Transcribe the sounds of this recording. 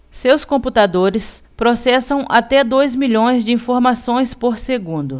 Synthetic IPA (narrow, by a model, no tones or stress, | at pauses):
sewskõmput̪ad̪oɾɪspɾosɛsɐ̃w̃ʔat̪ɛd̪ojzmiʎõj̃zd͡ʒɪĩfoɾmasõj̃spoɾseɡũnd̪ʊ